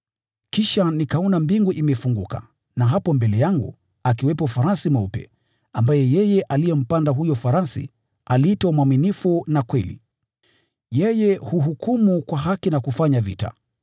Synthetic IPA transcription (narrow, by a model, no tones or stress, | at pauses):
kiʃanikaɔnambiŋɡuʔimɛfuŋɡuka̰ | naɦapɔmbɛlɛjaŋɡṵ | akiwɛpɔfaɾasimaupɛ̰ | ambajɛjɛjɛʔalijɛm̩pandaɦujɔfaɾasḭ | ʔalitɔmwaminifunakwɛlḭ | jɛjɛhuɦukumukwaɦakinakufaɲavḭta̰